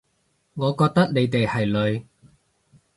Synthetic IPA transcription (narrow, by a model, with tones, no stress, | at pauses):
ŋɔː˨˧kɔː˧k̚t̪ɐ˥k̚ne˨˧jt̪e˨jhɐ˨jlɵ˨˧ɥ